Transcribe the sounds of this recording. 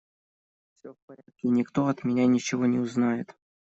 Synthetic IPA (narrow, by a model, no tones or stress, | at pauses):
ffsʲofpɐɾʲat̪̚kʲɪnʲɪkt̪oɐt̪mʲɪnʲanʲɪt͡ɕɪvonʲɪʊznajɪt̪